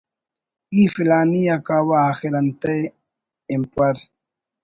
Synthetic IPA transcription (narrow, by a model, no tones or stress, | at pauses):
iːfilaːnijakawaːxiɾɐnt̪e | impɐɾ